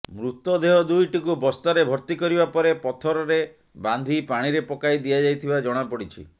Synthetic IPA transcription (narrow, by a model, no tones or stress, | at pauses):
mɾut̪ɔd̪eɦɔd̪ujʈikubɔst̪aɾebʱɔɾt̪ikɔɾibapɔɾepɔt̪ʰɔɾɔɾe | band̪ʱipaɽ̃iɾepɔkajd̪ijad͡ʒajt̪ʰibad͡ʒɔɽ̃apɔɽit͡ʃʰḭ